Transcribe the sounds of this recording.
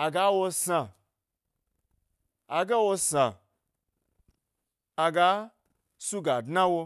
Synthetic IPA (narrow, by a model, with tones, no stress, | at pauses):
a˨ɡa˨˦wo˧sã˨ | a˧ɡe˦wo˧sã˨ | a˨ɡa˧˦ | su˦ɡa˨dna˦wo˧